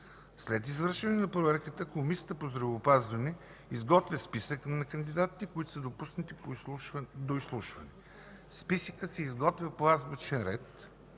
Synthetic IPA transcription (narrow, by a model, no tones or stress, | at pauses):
slɛt̪izvəɾʃɛnɛnɐpɾovɛɾkət̪əkomisə̥t̪əpozd̪ɾɐvoːpazvɐnɛ | izɡɔt̪vʲjəspisəknɐkənd̪id̪at̪ːikoit̪ʊ̥səd̪opusnət̪ip | d̪oislˠuʃvɐnɛ | spisəkəsɛizɡɔt̪vʲɐplˠazbut͡ʃɛnɾɛt̪